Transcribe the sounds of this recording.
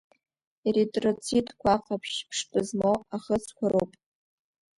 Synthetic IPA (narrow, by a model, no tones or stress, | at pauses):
iritʼrot͡sʰitʼkʷʰaqʼapʰʃpʰʂtʼɨzmowaχət͡sʰkʷʰaɾowpʼ